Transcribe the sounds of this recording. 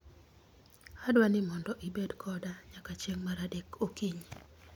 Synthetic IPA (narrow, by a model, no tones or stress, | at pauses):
adwanɪmɔndɔʔibedkʰɔdaɲakat͡ʃjeŋmaɾadekokiɲi